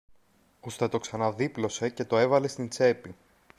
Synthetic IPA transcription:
ust̪et̪o̞ksɐnɐðiplo̞se̞ce̞t̪o̞e̞vɐle̞st̪int͡se̞pi

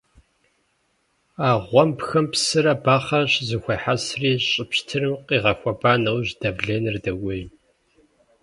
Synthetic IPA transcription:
aːʁʷɔmpxɐmpsɨɾɐbaːχɐɕzɨxʷɐħasriːɕʼɪpɕtʰɨrɨmqʼiːʁɐxʷɐbaːnɐwʑdɐvɮeːnɨrdɐwij

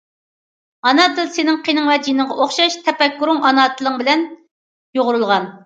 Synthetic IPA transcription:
ɑnɑːt̪ʰɨlˠsenɪŋqʰenɪŋwɛd͡ʒinɨŋʁɑʔoχʃɑʃt̪ʰɛpɛkːuɾʊŋɑnɑːt̪ʰɨlˠɨŋbɪlɛn | joʁʊɾulˠʁɑn

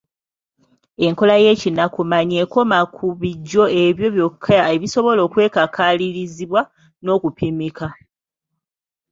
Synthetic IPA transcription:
e̞ŋko̞laje̞ːcinakumaɲeːko̞makʰuβiɟːo̞e̞βjo̞βjo̞kʰːaaeβiso̞βo̞lo̞ːkwe̞ːkakʰaliɾiziβwa | no̞ːkupimika

